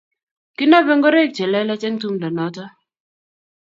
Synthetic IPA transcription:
ki˦nɔ˦vɛ˦ŋɡo˦ɾe˦˨k̚t͡ʃɛ˨lɛ˦lɛ˦t͡ʃɛ˦ŋtu˦mdɔ˨nɔ˨˦tɔ˦

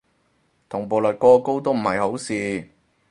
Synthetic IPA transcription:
t̪ʰʊ˨˩ŋpo˨˩lɵ˨t̚kɔː˧ko˥wt̪̬o˥wm̩˨˩hɐ˨jho˨˥wsiː˨

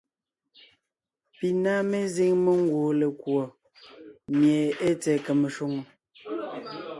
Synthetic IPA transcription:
pi˨na˦me˦zi˦ŋme˦ŋ˦ɡwo˨le˨kwo˨ | mje˨e˦t͡sɛ˨kə˨me˨ʃo˦ŋ˨

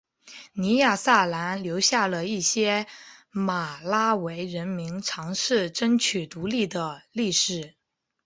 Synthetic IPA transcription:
ni˧˥ja˥˩sa˥˩la˧˥nljo˧˥ʊɕja˥˩lə˩i˥˩ɕjɛ˥ma˨˩la˥we˧˥ɪɻə˧˥nmi˧˥ŋʈ͡ʂʰɑ˧˥ŋʂɻ̩˥˩ʈ͡ʂə˥nt͡ɕʰy˨˩t̪u˧˥li˥˩d̪ə˩li˥˩ʂɻ̩˨˩

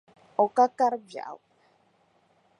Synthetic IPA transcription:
ɔ˨ka˦ka˦ɾbja̰˨w

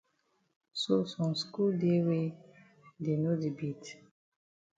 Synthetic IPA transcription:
so˦sɔ̃˨msku˦lde˦we˦ | de˨no˦di˨bi˦t

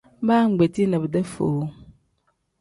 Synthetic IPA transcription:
baː˦˨ŋ̩˨ɡ͡be˨ti˦nə˨bə˨də˦fo̰˨˦

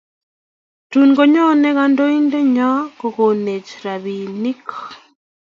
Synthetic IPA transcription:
tu˨nɡo˨ɲɔ˦nɛ˦ɣa˦ndo˦i˦nde˦ɲɔ˦ko˨ko˨ne˨t͡ʃɾa˨βi˨ni˦kʰɔ̥˨

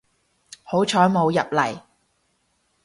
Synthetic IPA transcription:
ho˨˥wt͡ʃʰɔː˨˥jmo˨˧wjɐ˨p̚lɐ˨˩j

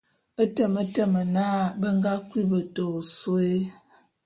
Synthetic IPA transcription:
ə˦tə˨mə˦tə˦˨mə˨na˦bə˦ŋ˦ɡa˦kwi˦bə˨to˨su˦e˦

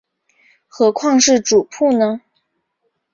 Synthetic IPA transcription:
xɤ˧˥kʰwɑ˥˧ŋʂɻ̩˥˩ʈ͡ʂu˨˩pʰu˥˩nə˧

